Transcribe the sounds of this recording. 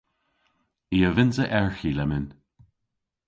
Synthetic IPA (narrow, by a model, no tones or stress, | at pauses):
iːəvɪnzəʔɛɹxilɛmɪn